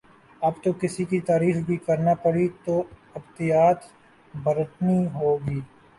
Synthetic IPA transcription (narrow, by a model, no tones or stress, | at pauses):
ɐbt̪okɪsikit̪aːɾiːfbʱikɐɾnapəɽit̪oːɪbt̪ɪjaːt̪ | bɐɾəʈniɦoːɡiː